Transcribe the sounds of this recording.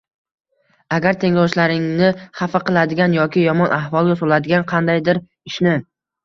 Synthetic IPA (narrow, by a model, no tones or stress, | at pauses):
aɡʲaɾt̪ʰe̞ŋɾɒwt͡ʃlaɾɪŋnɪχafaqɨlˠad̪ɪɡʲanjɒkʲɪjɒmɒnʔahvɒlˠɡʲasolad̪ɪɡʲanqʰɑnd̪ajd̪ɪɾ | ɪʃnɪ